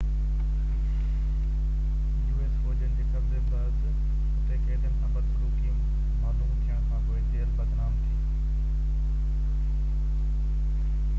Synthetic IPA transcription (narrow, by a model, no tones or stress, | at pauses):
juːeːsfoːd͡ʑənɪd͡ʑeːkɐbzebɐɾz | ʈeːkeːd̪ɪənɪsʰãːbɐd̪sɾuːkijũ | maːluːmt̪ʰijəɽ̃kʰãːkoːet̪eːəɾbɐd̪naːmt̪ʰiː